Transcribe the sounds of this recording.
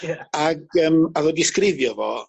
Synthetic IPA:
aɡəmaðɔdɪskɾɪðjɔvɔ̰ː

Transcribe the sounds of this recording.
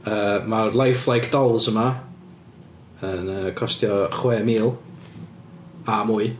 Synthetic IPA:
əːmarlˠajflˠajkʰd̥ɔlˠzəma | ənəkʰɔstjɔχwɛːmiːlˠ | amuːɨ

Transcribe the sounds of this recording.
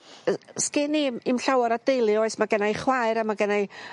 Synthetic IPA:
skɪnimimɬawaɾad̥ejlˠɨɔɨsmaɡənajχwaɨɾamaɡənaj

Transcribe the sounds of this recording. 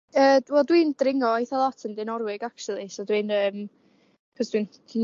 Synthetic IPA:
əːwɛlˠdwind̥rɪŋɔɔjθɔlˠɔtʰəndɪnɔɾwɪɡaksʊlˠisɔdwinəːm | pʰɔsd̥wintʰin

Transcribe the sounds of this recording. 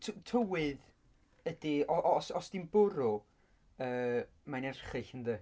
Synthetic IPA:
tʰtʰəwɨð | əd̥iɔʔɔsɔsd̥inbʊɾʊ | əː | manɛrχɨɬənðə

